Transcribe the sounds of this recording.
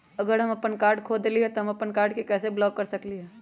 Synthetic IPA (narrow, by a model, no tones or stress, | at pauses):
ɐɡəɾɦɐmɐpənkaːɾɖkʰoːd̪liɦɛt̪oɦɐmɐpənkaːɾɖkekɛːseblɔːkːɐɾsɐkliɦɛː